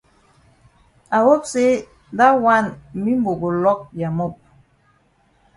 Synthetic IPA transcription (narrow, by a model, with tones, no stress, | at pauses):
a˨wo˦pse˦ | n˦da˦wa˦˨nmi˦m˦bo˨ɡo˨lɔ˦k̚ja˨mo˦˨p̚